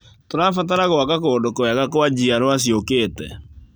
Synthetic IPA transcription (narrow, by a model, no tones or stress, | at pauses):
toɾaːfataɾaɣoakakoːdokoaɣakoad͡ʑiaɾoaɕ̬iokeːtɛ̰